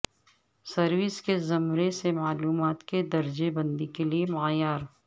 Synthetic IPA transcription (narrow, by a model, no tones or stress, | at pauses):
sɐɾwɪskezɐmɾesemaːluːmaːt̪ked̪ɐɾd͡ʒebɐ̃nd̪ikeliemaːjaːɾ